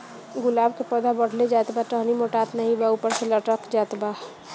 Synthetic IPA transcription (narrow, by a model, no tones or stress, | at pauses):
ɡʊlaːbkepəd̪abəɽ̤led͡ʒaːt̪baʈəɦnimoʈaːt̪nɐɦĩbaupəɾseləʈəkd͡ʒaːt̪ba